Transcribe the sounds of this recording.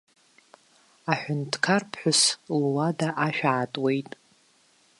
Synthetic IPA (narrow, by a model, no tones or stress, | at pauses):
aħʷᶣʊntʰkʰarpʰħʷᶣʊslwadaʔaʃᶣaːtʼwe̞jtʼ